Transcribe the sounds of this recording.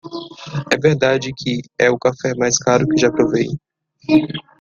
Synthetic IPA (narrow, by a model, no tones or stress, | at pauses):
ɛveɾd̪ad͡ʒɪkʰɪɛʊkafɛmajskaɾʊkɪʒapɾovẽj